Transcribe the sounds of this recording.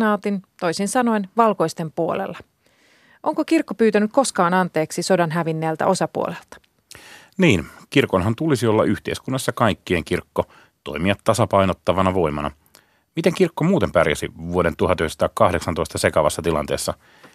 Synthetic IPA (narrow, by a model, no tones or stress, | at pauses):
nɑːt̪int̪o̞isinsɑno̞inʋɑlko̞ist̪empuo̰lḛlːɑ | ʔo̞ŋkokirkːopyːt̪ænyk̚ko̞skɑːnɑnt̪e̞ːksiso̞dɑnɦæʋinːeːlt̪æ̰ʔo̞sɑpuo̰lelt̪ɑ̥ | niːnkirkonɦɑnt̪ulisiolːɑ̰ʔyht̪ḛiskunːɑsːɑkɑjkːieŋkirkːo | t̪o̞̰imiɑt̪ːɑsɑpɑjnot̪ːɑʋɑnɑʋo̞jmɑnɑ̰ | mit̪eŋkirkːomuːt̪empærjæ̰sḭʋuoɾent̪uhɑt̪yhest̪ɑkɑhdeksɑnt̪o̞ist̪ɑse̞kɑʋɑsːɑt̪ilɑ̰nt̪eːsːɑ